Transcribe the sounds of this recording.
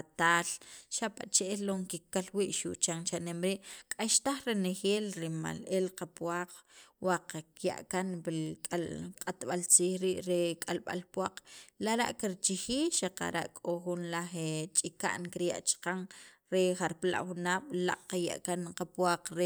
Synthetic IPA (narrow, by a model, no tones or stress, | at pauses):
at̪aːlʃapat͡ʃeʔelːoŋkikːalwiːʔʃuʔt͡ʃaŋt͡ʃanemɾiːʔkʼaʃt̪aχɾenexeːlɾima̰lelqapwaːqwaqakja̰ʔkanbikʼalqʼat̪ɓalt͡siːxɾiʔɾekʼalɓa̰lpwaq͡χlaɾa̰ʔkiɾt͡ʃixiːʃaqa̰ɾa̰ʔkʼoxunlaχet͡ʃʼika̰ʔnkiɾja̰ʔt͡ʃqaŋɾeχaɾpla̰ʔxunaːɓ̥la̰ʔqaja̰ʔkanqapwaːq͡χɾe